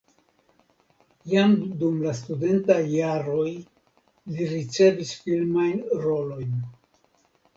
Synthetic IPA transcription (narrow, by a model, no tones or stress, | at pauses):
jamdumlastude̞ntajːaɾo̞j | liɾit͡se̞visfilmajnɾo̞lo̞jn